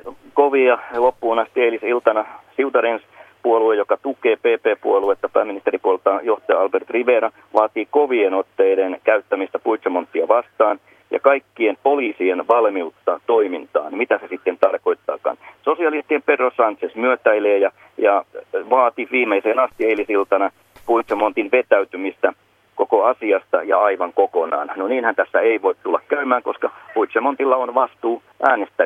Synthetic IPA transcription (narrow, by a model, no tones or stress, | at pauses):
koʋiɑlopːuːnɑst̪ielisilt̪ɑnɑsiut̪ɑɾenspuoluejjokɑt̪ukeːpeːpeːpuoluet̪ːɑpæːmːinist̪eɾipuolt̪ːɑjoht̪ɑjɑɑlbert̪riʋeːɾɑ | ʋɑːt̪iːkoʋienot̪ːeidenkæyt̪ːæmist̪æpuit̪somont̪ːiɑʋɑst̪ɑːn | jɑ̰kɑikːiempoliːsienʋɑlmiut̪ːɑt̪oimint̪ɑ̰ːnmit̪æsesit̪ːent̪ɑrko̞it̪ːɑ̰ːkɑ̰nsosiɑlist̪iemperːosɑnt̪sesmyøt̪æileːjɑ | jɑʋɑːt̪iʋiːmeiseːnɑst̪ieilisilt̪ɑnɑ | puit̪semont̪inʋet̪æyt̪ymist̪æ | kokoɑsiɑst̪ɑ̰jɑ̰ɑiʋɑŋkokonɑ̰ːnnoniːnhænt̪æsːæeiʋoit̪t̪ulːɑkkæymæːŋkoskɑpuit̪semont̪ilːɑonʋɑst̪uː | ʔæːnest̪æ